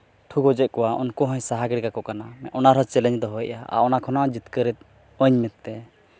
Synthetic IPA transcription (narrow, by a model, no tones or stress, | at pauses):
ʈʰuɡɔd͡ʒɛt̪̚kɔwaɔ̰nkɔɦɔ̃jsaɦaɡɛɾɡakɔkanamɛɔnaɾɦɔt͡ʃɛlɛɲd̪ɔɦɔjʔa̰a̰ʔɔnakʰɔnaʔad͡ʒit̪kəɾɛt̪̚ | əɲmɛt̪ːɛ